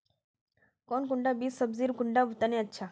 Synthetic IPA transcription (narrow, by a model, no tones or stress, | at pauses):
koːnkʊɳɖabiːsəbziːɾkʊɳɖaʋʊt̪anẽətːʃʰaː